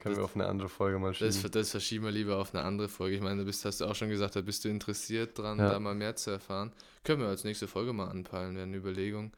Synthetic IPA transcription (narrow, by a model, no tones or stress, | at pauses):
kʰœnənviɐaʊfnə̰ʔa̰ndəʁəfɔlɡəmaːlʃd̥asdasfɛɐʃiːbmviɐliːbɐaʊfnə̰ʔa̰ndəʁəfɔlɡəɪçmaɪnədaːbɪsthastd̥uːaʊxʃoːnɡəzaːk̚td̥aːbɪstd̥uːɪntəʁɛsiːɐt̚d̥ʁandaːmaːlmeːɐt͡suɛɐfaːʁənkʰœnənviɐalsnɛːçstəfɔlɡəmaːlʔa̰npʰalənveːɐnəyːbɐleːɡʊŋ